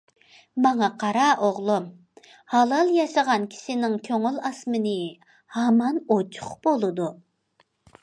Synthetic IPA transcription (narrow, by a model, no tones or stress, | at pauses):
mɑŋɑqʰɑɾɑʔoʁlˠum | hɑlˠɑlˠjɑʃɑʁɑnkʲʰi̥ʃɪnɪŋkʲʰøŋylɑsmɨnɪ | hɑmɑnot͡ʃʰʊ̥χbolˠɨd̪u